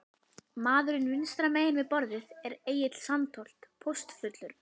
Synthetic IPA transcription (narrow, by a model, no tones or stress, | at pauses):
maːðʏɾʏnʏnst̪ɾameːjɪnvɪðpɔɾðɪðɛɾeːjɪt̪l̥sant̪ʰɔl̥t̪pʰɔst̪fʏt̪lʏɾ̥